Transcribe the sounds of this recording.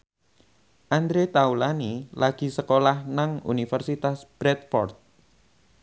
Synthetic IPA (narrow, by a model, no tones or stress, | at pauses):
ʔand̪ɾet̪aulanilaɡ̥i̤səkolahnaŋṵnifərsit̪asb̥ɾɛt̪̚fɔ̰rt̪̚